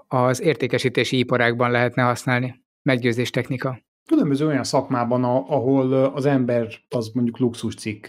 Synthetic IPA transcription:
ɒzeːrt̪eːkɛʃiːt̪eːʃiipɒɾaːɡbɒnlɛɦɛt̪nɛɦɒsnaːlni | mɛɡɟøːzeːʃt̪ɛxnikɒ | kylømbøzøːojɒnsɒkmaːbɒnɒɒɦolɒzɛmbɛrɒzmo̞ɲɟukluksuʃt̪sikː

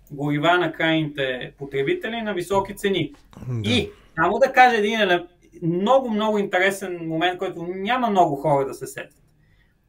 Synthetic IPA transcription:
ɡʊɾivanɐkɾajnit̪ɛpot̪ɾɛbit̪ɛlinɐvisɔkit̪sɛniisamod̪ɐkaʒɐɛd̪inɛlɛ | mnɔɡʊmnɔɡʊint̪ɛɾɛsɛnmomɛnt̪̚kɔjt̪ʊnʲamɐmnɔɡʊxɔɾɐd̪ɐsɛsɛ̰t̪ʲə̥t̪

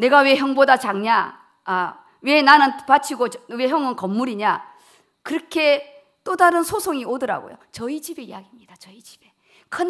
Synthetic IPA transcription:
ne̞ɡawe̞çjʌŋbodat͡ɕaŋɲa | we̞nanɯnpat͡ɕʰiɡowe̞ɦjʌŋɯnkʌmːuɾiɲa | kɯɾʌkʰe̞ | t͈odaɾɯnsʰosʰoŋiodɯɾa̰ɡo̰jo̰t͡ɕʌit͡ɕibe̞ḭjaɡimɲidat͡ɕʌit͡ɕi̥b̥e̞ | kʰɯn

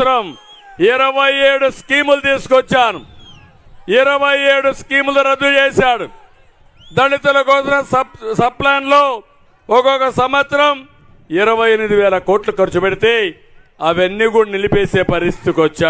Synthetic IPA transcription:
ɾɐm | iɾɐʋɐjeːɽuskiːmulut̪iːsu̥kɔt͡ʃːaːnu | iɾɐʋɐjeːɽuskiːmluɾɐd̪ːut͡ʃeːsaːɽu | d̪ɐɽit̪ulɐkɔːsinɐsɐsɐb̚plaːnlo̞ː | ɔkɔkɐsɐmɐt̪ɾɐm | iɾɐʋɐjenmid̪iʋɛːlɐko̞ːɾʈlukɐɾt͡ʃupeɽit̪e̞ː | ɐʋɐnːiɡuɽɐnilipeːse̞ːpɐɾist̪ʰi̥t̪ikɔt͡ʃːaː

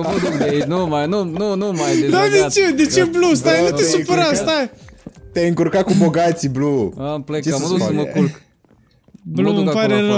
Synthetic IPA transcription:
d̪enumajnununumajd̪ad̪et͡ʃed̪et͡ʃeblust̪aj̪ut̪essupəɾast̪ajt̪eajɨŋkuɾkat̪̚kuboɡat̪siblumplet͡ʃeməkulk | blumpaɾelo

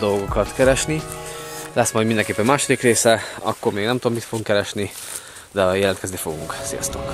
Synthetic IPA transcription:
d̪o̞lɡokɒt̪kɛɾɛʃni | lɛsmɒjd̪mind̪ɛŋkeːpːɛmmaːʃod̪ikreːsɛɒ̰kːormeːɡnɛmt̪ud̪omit̪foɡuŋkɛɾɛʃni | d̪ɛɒjɛlɛnt̪kɛzd̪efo̞ɡuŋksḭjɒ̰st̪o̰k

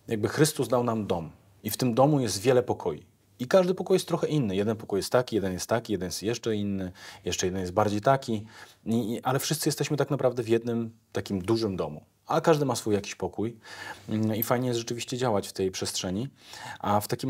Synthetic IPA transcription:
jaɡ̚bɘxɾɘst̪uzd̪awnamd̪ɔm | ift̪ɘmd̪ɔmujɛst̪vʲjɛlɛpɔkʰɔjḭ | ikaʐd̪ɘpɔkujɛst̪ːɾɔxɛʔinːɘjɛd̪ɛnpɔkujɛst̪ːakʲijɛd̪ɛnjɛst̪ːakʲijɛd̪njɛst̪jɛʂt͡ʂɛinːɘjɛʂt͡ʂɛjɛd̪ɛnjɛst̪̚baɾd͡ʑejt̪akʲi | iʔalɛfʂɘst̪sjɛst̪ɛɕmɘt̪aknapɾavd̪ɛvjɛd̪nɘmt̪akʲimd̪uʐɘmd̪ɔmṵ | akaʐd̪ɘmasfujːakʲiɕpɔkuj | ifajɲɛjɛst̪ʐɛt͡ʂɘvʲiɕt͡ɕɛd͡ʑawat͡ɕft̪ɛjpʂɛstʂɛɲiaft̪akʲim

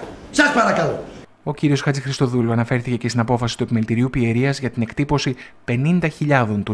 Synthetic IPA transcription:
sɐspɐɾɐkɐlo | o̞ciɾio̞sxɐt͡sixɾist̪o̞ðuluɐnɐfe̞ɾθice̞cest̪inɐpo̞fɐsi̥t̪ue̞pimelit̪iɾiupie̞ɾiɐzʝɐt̪ine̞kt̪ipo̞sipe̞nind̪ɐçiʎɐðo̞nt̪u

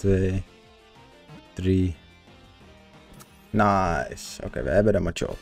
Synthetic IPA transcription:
tʋeː | d̥ri | najso̰ːkḛːʋə̰ɦɛbədɔmat͡ʃo̰ɔ̰p

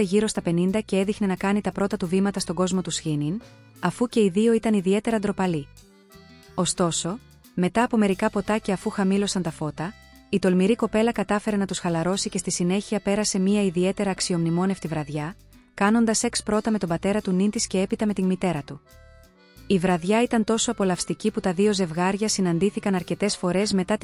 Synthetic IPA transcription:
eʝiɾo̞st̪ɐpe̞nind̪ɐce̞eðixne̞nɐkɐnit̪ɐpɾo̞t̪ɐt̪uvimɐt̪ɐst̪o̞ɡo̞zmo̞t̪usçinin | ɐfuce̞iðio̞it̪ɐniðie̞t̪e̞ɾɐnd̪ɾo̞pɐli | o̞st̪o̞so̞ | me̞t̪ɐːpo̞me̞ɾikɐpo̞t̪ɐce̞ɐfuxɐmilo̞sɐnt̪ɐfo̞t̪ɐ | it̪o̞lmiɾiko̞pe̞lɐkɐt̪ɐfe̞ɾe̞nɐt̪usxɐlɐɾo̞sice̞st̪isine̞çiɐpe̞ɾɐse̞miɐiðie̞t̪e̞ɾɐːksio̞mnimo̞neft̪ivɾɐðʝɐ | kɐno̞nd̪ɐse̞kspɾo̞t̪ɐme̞t̪o̞bɐt̪e̞ɾɐt̪unind̪isce̞e̞pit̪ɐme̞t̪inmit̪e̞ɾɐt̪u | ivɾɐðʝɐit̪ɐnt̪o̞so̞ɐpo̞lɐfst̪iciput̪ɐðio̞ze̞vɣɐɾʝɐsinɐnd̪iθikɐnɐɾce̞t̪e̞sfo̞ɾe̞zme̞t̪ɐ

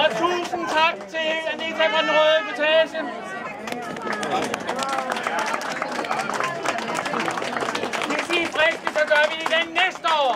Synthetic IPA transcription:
ɒt͡sʰṵːsən̩t͡sʰɑ̈ɡ̥̚t͡sʰe̝læd̥eɡt͡sʰækʰɔnn̩ʁɔðˠipʰot͡sʰɛːɕən | esḭːsʁeɡ̥d̥i̥sɒ̽ɡ̥ɶɐʋiid̥enːesd̥əɒ̰ː

